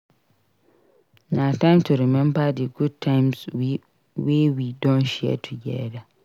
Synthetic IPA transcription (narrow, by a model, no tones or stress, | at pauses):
nãtʰãmtʰʊɾɛmɛ̃mbadɪɡud̚tʰãmswi | weːwidɔ̃nɕiɛ̰tʰʊjɛ̰da